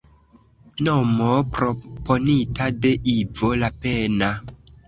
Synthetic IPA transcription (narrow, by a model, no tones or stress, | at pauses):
nomopɾopo̞nitade̞ʔivo̞lapena